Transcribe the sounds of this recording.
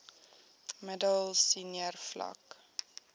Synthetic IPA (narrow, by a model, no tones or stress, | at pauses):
mədəlˠsiniərflɐ̰k